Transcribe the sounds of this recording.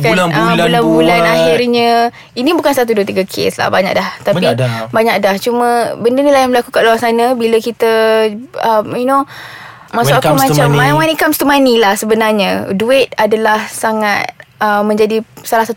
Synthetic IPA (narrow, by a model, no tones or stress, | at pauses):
kaəbulanbulanaɦɪrɲə | inibukansat̪̬uduət̪iɡakʰḛsla̰hbaɲa̰k̚daht̪aidbaɲak̚daht͡ʃumə̃bəndənilajaŋbəlakukaloaŋsanəbiləkit̪ə | əmjuno | masʊkaumat͡ʃamawanikamst̪umanilahsəbənarɲəduɪt̪̚adalahsaŋat̪̚ʔəmːə̃ɲd͡ʒadisalahsat̪